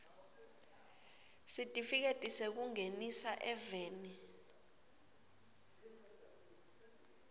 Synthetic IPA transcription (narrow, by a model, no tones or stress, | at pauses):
sitʼifik̬etʼisɛk̬uŋenisaʔɛveːni